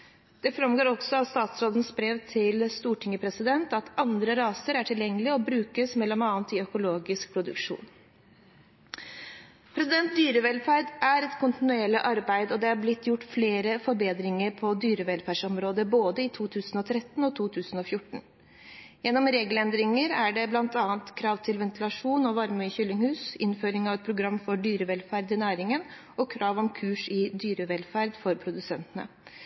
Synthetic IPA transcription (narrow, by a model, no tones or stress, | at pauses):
d̪̥ɛfɾɑmɡoːɾɔɡsɔɑʋst̪ɑːt̪sɾoːd̪ən̩sbɾeːʋt̪ʰɪlst̪uːʈʰɪŋːəpʰɾɛsɪd̪ɛnt̪ɑt̪ɑnd̪ɾəɾɑːsəɾæʈʰɪljɛŋːəlɪɔbɾʉːkəsmɛlːɔmɑːənt̪ɪœkʊloːɡɪsk̚pʰɾʊd̪ʉ̰kʂṵːn | pʰɾɛsɪd̪ɛnt̪̚d̪yːɾəʋɛlfæɾɖʔæɾɛt̪kʰʊnt̪ɪnʉɛlːəʔɑɾbæɪd̪ɔd̪ɛæɾblɪt̪ʰːjʊʈːfleːɾəfɔɾbeːd̪ɾɪŋəɾpʰɔd̪yːɾəʋɛlfæɖʂɔmɾoːd̪əboːd̪əɪt̪ʰuːt̪ʰʉːsn̩ɔt̪ʰɾɛt̪ːn̩ɔt̪ʰuːt̪ʰʉːsn̩ɔfjʊʈːɳ̩ | jɛnːɔmɾeːɡəlɛnd̪ɾɪŋəɾæɖɛblɑnt̪ɑːnt̪kʰɾɑːʋt̪ʰɪlʋɛnt̪ɪlɑʂuːnɔʋɑɾməçʏlːɪŋhʉːsɪnføːɾɪŋɑʋɛt̪̚pʰɾʊɡɾɑmːfɔɖyːɾəʋɛlfæɾd̪ɪnæːɾɪŋən | ɔkʰɾɑːʋɔmkʰʉːʂɪd̪yːɾəʋɛlfæɾd̪fɔɾpʰɾʊd̪ʉsɛnt̪ənə̰